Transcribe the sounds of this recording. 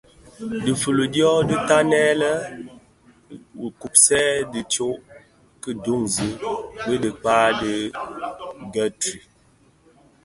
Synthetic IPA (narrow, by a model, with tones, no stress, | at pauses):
di˨fə˨lo˨djɔ˦də˦ta˦nɛ˦lə˦ | wku˨p̚sɛ˦di˨t͡ʃo˦ʔ | kə˦do˦ŋzi˦bə˦də˨k͡paː˦də˦ | ɡɛ˦tɾi˨